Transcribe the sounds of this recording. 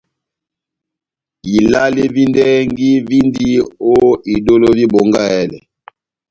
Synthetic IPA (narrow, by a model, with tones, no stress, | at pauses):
i˨la˦li˦vi˦ndɛ˦ŋɡi˦vi˦ndi˦o˦i˨do˦lo˦vi˦bo˨ŋɡa˦ɛ˦lɛ̰˨